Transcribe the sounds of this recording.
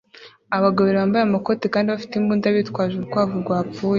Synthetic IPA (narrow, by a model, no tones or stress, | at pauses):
aβaɡaβiɾeβaːmbajamako̞tekaːndiβafi̥timbuːndaβiːtkwaːʒuɾukwaːvuɾɡwaːpp͡fuːje